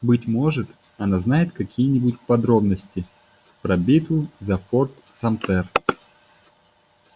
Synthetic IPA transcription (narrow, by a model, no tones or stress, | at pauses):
bɨtʲmo̞ʐɨt̪ | ɐnaznajɪt̪kɐkʲʰijənʲɪbutʲkpɐd̪ɾo̞bnəsʲtʲɪ | pɾɐbʲit̪ʊzɐfort̪ | sɐmt̪ɛr